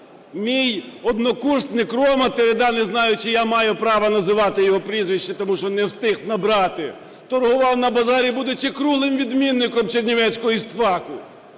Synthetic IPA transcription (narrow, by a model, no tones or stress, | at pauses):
mʲijɔd̪nɔkurst̪nɪkɾɔmɐt̪eɾed̪ɑnɪznɑjʊt͡ʃɪjamɑjʊpɾɑʋɐnɐzɪʋɑt̪ɪjɔɦɔpɾʲizʋʲiʃt͡ʃːɪt̪ɔmuʃt͡ʃɔnɛwst̪ɪxnɐbɾɑt̪ɪ | t̪ɔrɦʊʋɑwnɐbɐzɑɾʲibud̪ʊt͡ʃɪkɾuɦlˠɪmʋʲid̪mʲinːɪkɔmt͡ʃernʲiʋɛt͡sʲsʲkɔɦɔist̪ʋɑkʊ